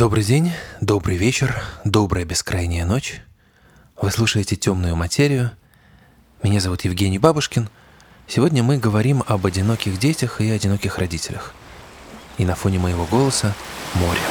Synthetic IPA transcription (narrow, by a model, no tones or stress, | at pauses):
d̪̥o̞bɾɨjdʲenʲd̪o̞bɾɨjvʲet͡ɕɪrd̪o̞bɾəjəbʲɪskɾʔajnʲɪjəno̞t͡ɕ | vɨsˠuʂəjɪtʲɪtʲo̞mnʊjʊmɐtʲʰeɾʲɪjʊ | mʲɪnʲazɐvut̪jɪvɡʲenʲɪjbabʊʂkʲɪn | sʲɪvo̞dʲnʲəmɨɡəvɐɾʲimɐbɐdʲɪno̞kʲɪɣdʲetʲəxiɐdʲɪno̞kʲɪxrɐdʲitʲɪlʲəx | inɐfo̞nʲɪməjɪvo̞ɡo̞lˠəsəmo̞ɾʲɪ